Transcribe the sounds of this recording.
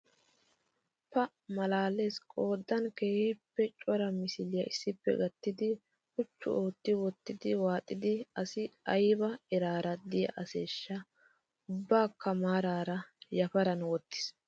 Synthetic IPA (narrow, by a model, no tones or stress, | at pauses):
pɐ | mɐlaːle̞ːskʼo̞ːd̪ːɐnke̞ːhiːpːɛt͡ʃʼɔɾɐmɪsɪlɪjɐ̰ʔɪsːɪpːɛ̰ɡɐt̪ːɪd̪ɪ | ʔʊt͡ʃːʊ̰o̞ːt̪ːɪwɔt̪ːɪd̪ɪwaːt̪ʼːɪd̪ɪɐsɪɐjbɐɛɾaːɾɐd̪ɪjɐ̰ʔɐseːʃːɐ | ʊbːaːkɐmaːɾaːɾɐjɐfɐɾɐnwɔt̪ːɪ̥s